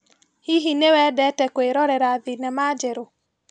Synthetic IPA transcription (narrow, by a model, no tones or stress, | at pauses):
hiɦinewɛdɛtɛkoeɾɔɾɛɾaðinɛmad͡ʒɛɾo